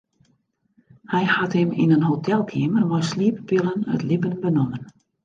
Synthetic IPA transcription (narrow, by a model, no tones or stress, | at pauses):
hɛjhathɪmḭnənɦotʰɛlˠkʰɪəmərmɔjsliːpəpɪlənə̰tlibənbənʊmən